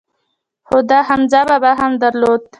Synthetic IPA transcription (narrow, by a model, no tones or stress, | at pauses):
hʊd̪aɦamzababaɦamd̪aɾlod̪̚